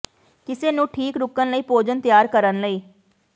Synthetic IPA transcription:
kɪseːnũːʈʰiːkɾʊkːənləiːpoːd͡ʒənt̪ɪjaːɾkəɾənləiː

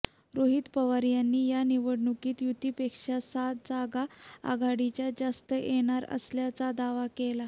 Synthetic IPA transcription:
ɾoɦiːt̪pəʋaɾjanːiːjaniʋəɽɳukiːt̪jut̪ipekʂasat̪̚d͡zaɡaa̰ɡaɽit͡ɕjad͡zast̪əjʔeɽ̃aɾə̰sljat͡sad̪aʋakela

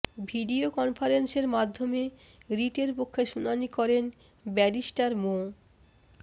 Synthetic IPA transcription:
bʱiɖiokɔnfʰaɾenseɾmad̪ʱːome | ɾiʈeɾpokʰːeʃunanikɔɾen | bɛɾisʈaɾmo

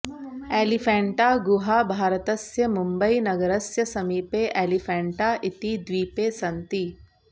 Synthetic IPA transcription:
eːlifʰɛ̃ːɳʈaːɡuɦaːbʱaːɾɐt̪ɐsjɐmumbɐinɐɡɐɾɐsjɐsɐmiːpeːʔeːlifʰɛ̃ːɳʈaːʔit̪id̪ʋiːpeːsɐnt̪i

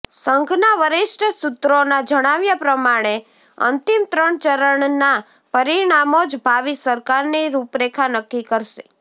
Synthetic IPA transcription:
səŋɡʱnaʋəɾɪʃʈəsut̪ɾonad͡ʒəɽ̃aʋjapɾəmaɽ̃e | ə̰nt̪imt̪ɾəɳt͡ʃəɾəɳna | pəɾiɳ̃amod͡ʒbʱaʋisəɾkaɾniɾupɾekʰanəkːikəɾʃe

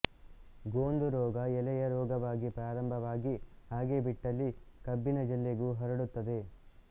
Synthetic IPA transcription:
ɡoːnd̪uɾɔːɡɐɛlɛjɐɾɔːɡɐʋaːɡipɾaːɾɐmbʱɐʋaːɡihaːɡe̞ːbiʈːɐlːikɐbːinɐd͡ʒɐlːeɡuːɦɐɾɐɽut̪ːɐd̪e̞

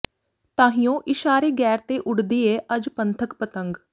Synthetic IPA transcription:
t̪ãːɦijõːʔɪʃaːɾeːɡɛːɾt̪eːʔʊɽd̪iːeːʔəd͡ʒpənt̪ʰəkpət̪əŋɡ

